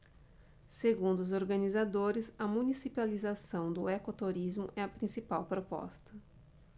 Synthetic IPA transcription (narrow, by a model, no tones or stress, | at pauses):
seɡũnd̪ʊʊzoɾɡɐnizad̪oɾɪzɐmũnisipalizasɐ̃w̃d̪ʊekot̪oɾizmʊʔɛɐpɾĩsipawpɾopɔ̰st̪ɐ